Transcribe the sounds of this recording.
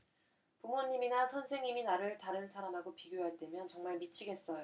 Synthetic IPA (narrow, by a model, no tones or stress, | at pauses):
pumoɲːiminasʰʌnsʰe̞ŋɲiminaɾɯɭtaɾɯnsʰaɾamɦaɡopiɡjoɦaɭt͈e̞mjʌnt͡ɕʌŋmaɭmit͡ɕʰiɡe̞s͈ʌjo